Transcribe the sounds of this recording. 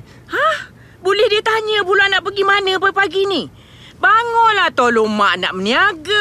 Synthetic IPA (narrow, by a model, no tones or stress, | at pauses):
hah | bolɛhdiət̪aɲə̃bulanaʔpəɡimanə̃pəpaɡini | baŋɔlat̪olomaʔnaʔməniaɡə